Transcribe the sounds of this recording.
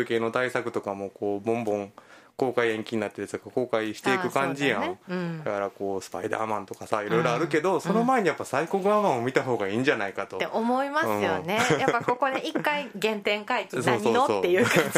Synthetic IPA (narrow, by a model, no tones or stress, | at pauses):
ɯke̞ːno̞t̪aisakɯ̟t̪o̞kamo̞ko̞ːbõ̞mbõ̞ŋ | ko̞ːkaiẽ̞ŋkʲiɲ̟inat̪ːeɾɯt̪okako̞ːkaiɕi̥t̪eiɯ̟kãɲ̟d͡ʑijãɯ̃d̪ahaɾako̞ːsɨ̥pa̰id̪a̰ːmãnt̪o̞kasaiɾo̞iɾo̞aɾɯ̟ke̞d̪o̞so̞no̞mae̞ɲijapːasaiko̞kɯ̟amãɰ̃o̞mʲit̪aɦo̞ːɡaiːɲ̟d͡ʑanaikat̪o̞t̪eʔomo̞imasɯɨ̃ːjonejapːako̞ko̞d̪eʔikːaiɡẽ̞nt̪ẽ̞ŋkaikiso̞ːsioːosoːejɯːk